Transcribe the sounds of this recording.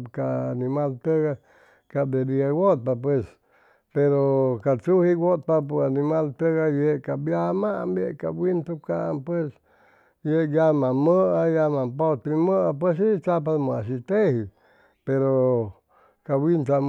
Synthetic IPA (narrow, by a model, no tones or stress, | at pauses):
kaanĩmalt̪əɣa | kad̪ediaɡot̪̚pap̬wes | peɾokat͡suhiɡot̪̚papoanĩmalt̪əɣajeʔkabjamaʔambjeʔkabwint̪ukaʔampwes | jejamãmə̃ʔajamãpot̪ɾimə̃ʔap̬wes̬it͡ʃap̬amoasit̪ehi | peɾo | kawint̪a